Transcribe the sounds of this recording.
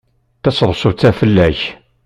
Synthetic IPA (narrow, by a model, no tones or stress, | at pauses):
θæsðˤsʊt͡sːæfəlːæç